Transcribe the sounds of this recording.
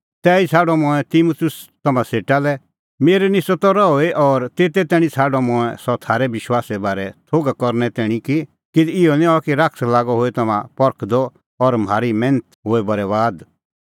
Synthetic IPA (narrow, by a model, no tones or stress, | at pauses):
t̪ɛːit͡sʰaːɖɔmɔ̃ɛ̃t̪imut̪ʰʊst̪ɐmãseːʈalɛ | meːɾɛnɪsɔt̪ɔɾɔɦoːeʔɔːɾt̪eːt̪ɛt̪ɛːɽ̃ĩt͡sʰaːɖɔmɔ̃ɛ̃sɔt̪ʰaːɾɛʋɪʃwaːsɛbaːɾɛt̪ʰoːɡakɔɾnɛt̪ɛːɽ̃ĩki | kɪd̪ɪɔnĩɔkiɾakʰslaːɡɔɦoːet̪ɐmãpɔɾkʰd̪ɔ | ɔɾm̤aːɾimɛ̃ːnət̪ɦoːebɐɾɛʋaːd̪